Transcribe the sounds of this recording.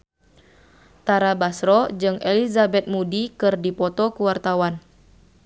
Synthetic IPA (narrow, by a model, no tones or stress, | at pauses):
t̪aɾabasɾɔd͡ʒɨŋʔelizabɛt̪̚mudikɨrdipɔt̪ɔkuwart̪awan